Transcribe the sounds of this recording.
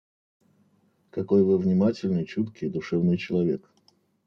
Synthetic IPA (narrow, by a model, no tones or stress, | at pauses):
kɐko̞jvɨvnʲɪmatʲɪlʲnɨjt͡ɕut̪kʲɪjd̪ʊʂɛvnɨjt͡ɕɪlˠɐvʲe̞k